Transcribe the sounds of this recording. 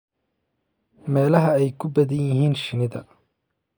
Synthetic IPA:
mɛːlɐɦɐɛjkʰʊbɐðɐjjɪɦiːnʃɪnɪðɐ

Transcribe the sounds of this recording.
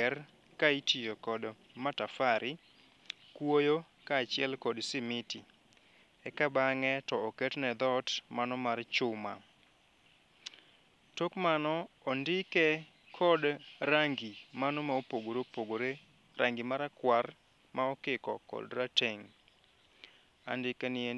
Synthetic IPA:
ɛr | kaitijokɔd | matafaɾʔɪ | kwojo | kaːt͡ʃɪɛlkɔdsɪmɪti | ɛkabaŋɛtɔɔkɛtnɛd̪ɔtmanɔmart͡ʃʊma̰ | tokmanɔːndɪkɛ | kʰɔdɾaŋɡimanɔmaopoɡoɾopoɡoɾe | ɾʔaŋɡimaɾakwar | maɔkɪkɔkɔ̰dɾateŋ | a̰ndɪkɛnɪe

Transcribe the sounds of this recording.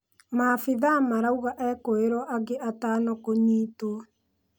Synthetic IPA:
mafiðamaɾauɣaʔɛkoeɾwɔʔaɡeʔataːnɔkoɲiːtoɔ

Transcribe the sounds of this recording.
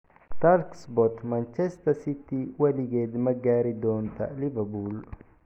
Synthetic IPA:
t̪alksbɔt̪mɐnt͡ʃɛst̪ɐsɪt̪iwɐlɪɡeːd̪mɐɡːaːɾid̪oːnt̪ɐ̰lɪvɐbuːl

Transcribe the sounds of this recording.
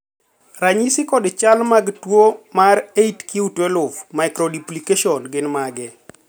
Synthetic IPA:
raɲisɪkɔdt͡ʃalmaɡtwomaɾeitkʰiutwɛlʊfmajkɾɔdiplikeʃɔnɡɪnmaɡɛ

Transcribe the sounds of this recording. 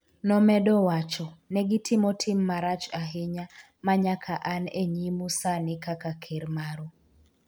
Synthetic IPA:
nɔmɛdɔwat͡ʃɔnɛɡɪtʰɪmɔtʰɪmːaɾat͡ʃaɦɪɲa | maɲakʰaʔaneɲimusanɪkakakʰeɾmaɾo

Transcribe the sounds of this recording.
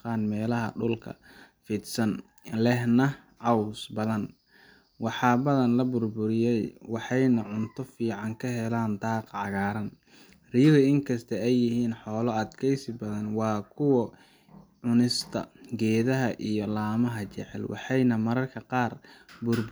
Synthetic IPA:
qɑːnmɛːlɐɦɐ̰ɖʊlkʰɐ̰ | fid̪sɐn | lɛɦnɐ | ʕɑwsbɐðɐn | wɑħɑːbɐðɐnlɐbʊrbʊɾɪjɛjwɑħɑjnɐʕʊnt̪ʰɔfiːʕɑŋkʰɐɦɛlaːnd̪ɑːqʕɑɣaːɾɐn | rijɣʊɪŋkʰɐst̪ʰɐɛjːɪɦiːnħɔːlɔɐd̪kʰɛjsɪbɐðɐnwɑːkʰʊwɔ | ʕʊnɪst̪ʰɐ̰ɡɛːðɐɦɐʔijɔlaːmɐɦɐt͡ʃɛ̰ʕɛ̰lwʔɑ̰ħɑjnɐmɐɾɐrkʰɐqɑːrbʊrb

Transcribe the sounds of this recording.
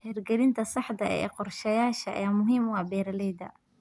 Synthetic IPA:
hɛːrɡɛɾɪnt̪ʰɐsɑħd̪ɐʔɛ̰ːqɔrʃɛːjaːʃɐʔɐ̰jaːmʊɦiːmwɑːbɛːɾɐlɛjd̪ɐ̰

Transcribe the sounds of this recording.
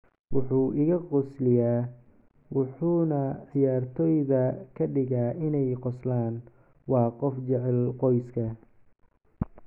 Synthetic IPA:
wʊħuːʔɪɣɐqɔslɪjaː | wʊħuːnɐʕɪjaːrt̪ʰɔːjðɐkʰɐɖɪɣaːʔɪnɛjqɔslaːn | wɑːqɔft͡ʃɛʕɛlqɔjskʰɐ

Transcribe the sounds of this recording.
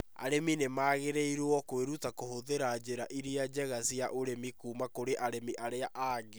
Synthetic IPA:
a̰ɾeminemaːɣeɾeiɾɔkweɾutakohoðeɾad͡ʑeɾaʔiɾiad͡ʑɛɣasjaʔoɾemikuːmakoɾeʔaɾemiʔaɾeaʔaːɡe

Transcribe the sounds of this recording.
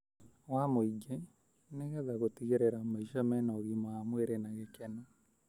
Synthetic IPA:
wamoiɡe | neɣɛðaɣotiɣeɾeɾamaiʃamɛnɔɣimaamweɾenaɣekɛna

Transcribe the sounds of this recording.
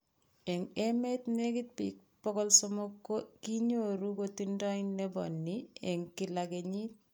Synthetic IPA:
eŋemet̪nekit̚pik̚ | pɔkɔlsomokːokiɲoɾukotindɔinnebɔ̰nːieŋkilakeɲit̚

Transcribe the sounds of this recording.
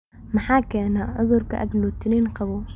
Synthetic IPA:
maħaːkːanaʕʊzˤʊɾka̰ʔa̰klt̪ːniːnqɑbuːl

